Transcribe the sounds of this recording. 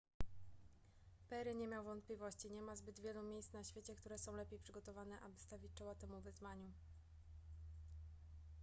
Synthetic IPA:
pɛɾɘɲɛmʲjawvɔnt̪̚plʲivɔɕt͡ɕiɲɛmazbɘd̪vʲjɛlumʲjejsnaɕfʲjet͡ɕɛkt̪uɾɛsɔ̃w̃lɛpʲjejpʂɘɡɔt̪ɔvanɛʔabɘst̪avʲit͡ɕt͡ʂɔwat̪ɛmuvɘzmaɲu

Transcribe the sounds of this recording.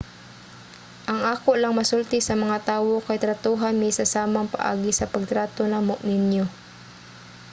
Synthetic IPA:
ʔɐŋʔaːkoʔlɐŋmɐsʊlt̪ɪsɐmɐŋat̪aːwo̞kɐjt̪ɾɐt̪uːɦanmɪsɐsaːmɐŋpɐ̰ʔa̰ːɡɪsɐpɐɡ̚t̪ɾaːt̪onamoʔnɪnjo

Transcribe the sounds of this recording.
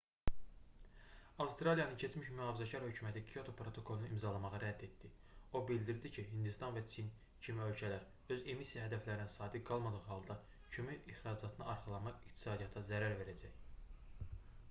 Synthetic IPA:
ɑfst̪ɾɑlijɑnɯncʰe̞t͡ʃmiʃmyɑːvizæcʰɑɾhø̞cʰymæt̪ʰikʰijo̞t̪ʰo̞pɾo̞t̪ʰo̞kʰo̞lˠunuimzɑlˠɑmɑʁɯɾæd̪ːe̞t̪̚d̪i | o̞bild̪iɾd̪icʰiɦind̪ust̪ɑnvæt͡ʃʰin | cʰimiø̞lcʰælæɾ | øze̞misijɑɦæd̪æflæɾinæsɑːd̪iɡɑlˠmɑd̪ɯʁɯhɑlˠd̪ɑ | cʰømyiχɾɑd͡ʒɑt̪ʰɯnɯɑɾχɑlˠɑnmɑʁikt̪ʰi̥sɑːd̪ijɑt̪ʰɑzæɾæɾve̞ɾæd͡ʒæj

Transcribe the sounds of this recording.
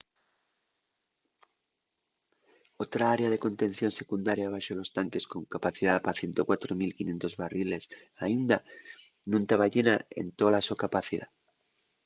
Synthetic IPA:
o̞t̪ɾaaɾeað̞e̞ko̞nt̪e̞n̟θjo̞nse̞kund̪aɾjaβaʃolo̞st̪aŋke̞sko̞ŋkapaθiðapaθje̞nt̪o̞kwat̪ɾomilkinje̞nt̪o̞zβarile̞s | aind̪a | nũnt̪aβaʎe̞nae̞̰nt̪olasokapaθiða̰

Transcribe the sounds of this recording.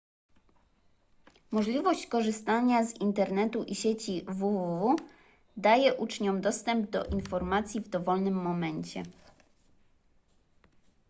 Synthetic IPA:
mɔʐlʲivɔɕt͡ɕkɔʐɘst̪aɲazint̪ɛɾnɛt̪uʔiɕet͡ɕivuvuvu | d̪ajɛʔut͡ʂɲɔmd̪ɔst̪ɛmb̚d̪ɔ̰ʔinfɔɾmat̪sʲjivd̪ɔvɔlnɘmːɔmɛɲt͡ɕɛ̰

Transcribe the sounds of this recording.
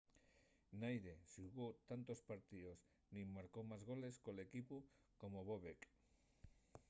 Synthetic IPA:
najðeʃuɣot̪ant̪ospaɾt̪ios | nĩmːaɾkowmazɣoleskolekipu | komoβoβek

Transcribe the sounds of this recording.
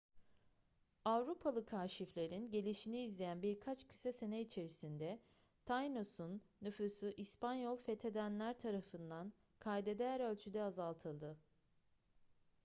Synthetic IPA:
avɾupʰalˠɯkʰaːʃiflʲe̞ɾinɟe̞lʲiʃiniːzlʲejænbiɾkʰat͡ʃcʰy̥sɛse̞nɛit͡ʃʰe̞ɾisind̪ɛ | t̪ʰajnosunːyfysyʔispanjolˠfɛt̪ʰe̞d̪ænlʲæɾt̪ʰaɾafɯnd̪an | kʰajd̪ed̪ejæɾø̞lʲt͡ʃʰyd̪ɛazalˠt̪ʰɯlˠd̪ɯ

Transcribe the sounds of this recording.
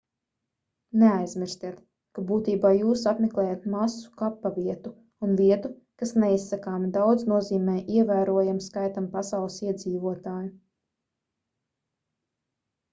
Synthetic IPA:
neajz̥mʲiɾst̪iɛt̪ | kabuːt̪iːbaːjuːsapmɛklˠɛːjat̪masu̥kapːaviɛt̪u | unviɛt̪u | kasneisːakaːmd̪awd̪znuɔziːmɛːjʔiɛvæːɾuɔjamskajt̪ampasɑwlˠɨsiɛd̪ziːvuɔt̪aːju

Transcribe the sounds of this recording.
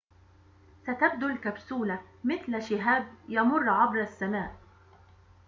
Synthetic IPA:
sat̪ab̚d̪ʊlkabsuːlamɪθlʃɪɦaːb̚jɑmʊrˤːʕɑbɾˤasːamaːʔ

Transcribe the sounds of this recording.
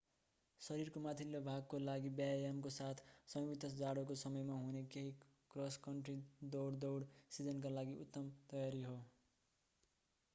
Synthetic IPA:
sʌɾirkomat̪ʰilːobʱaɡ̚kolaɡibjajamkosat̪ʰsʌmbit̪ʌsd͡zaɽokosʌmʌjmaɦunekeɦi | krʌskʌɳʈrid̪owɽd̪ʌwɽsid͡zʌnk̬alaɡiut̪ːʌmt̪ʌjaɾiɦo

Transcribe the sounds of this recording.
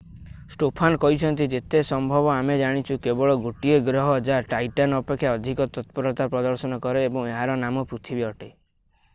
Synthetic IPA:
sʈopʰankɔɦit͡ʃʰɔnt̪id͡ʒet̪esɔmbʱɔbɔamed͡ʒaɽ̃it͡ʃʰukebɔɭɔɡoʈieɡɾɔɦɔd͡ʒaʈajʈanɔpekʰːjaɔd̪ʱikɔt̪ɔt̪pɔɾɔt̪apɾɔd̪ɔɾsɔnɔkɔɾeebɔŋeɦaɾɔnamɔpɾut̪ʰibiɔʈe

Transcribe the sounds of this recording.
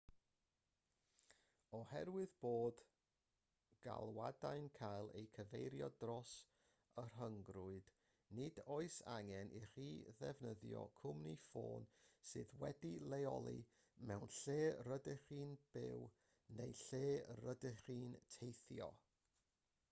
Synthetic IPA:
ɔhɛrwɨðb̥oːd | ɡ̥a̰lˠwadaɨnkʰajlˠejkʰəvejɾjɔdrɔs | ər̥ɦəŋɡrʊɨd̥ | nɨdoɨsaŋɛnʔiriːðɛvnəðjɔ̰kʰʊmnifo̰ːnsɨðwɛdilˠejɔ̰lˠḭ | mɛwnɬeːrədɛχiːnb̥ɪ̰w | nejɬeːrədɛχiːntʰejθjɔ̰

